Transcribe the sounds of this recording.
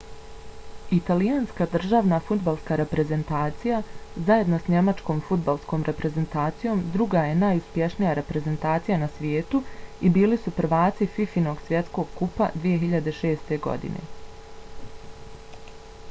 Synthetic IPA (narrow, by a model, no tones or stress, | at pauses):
it̪alijaːnskad̪r̩ʒaːʋnafud̪balˠskaɾe̞pɾe̞ze̞nt̪aːt̪sijazaje̞d̪nosɲe̞mat͡ʃko̞ːmfud̪̚balˠsko̞ːmɾʔe̞pɾe̞ze̞nt̪aːt̪sijo̞ːmd̪ɾuɡaje̞naːjuspje̞ʃnijaɾe̞pɾe̞ze̞nt̪aːt̪sijanasʋjeːt̪uibiːlisupɾ̩ʋaːt̪sififino̞ɡsʋje̞t̪sko̞ɡkupa̰d̪ʋije̞ɦiʎad̪e̞ʃe̞ːst̪e̞ɡo̞̰d̪ḭne̞̰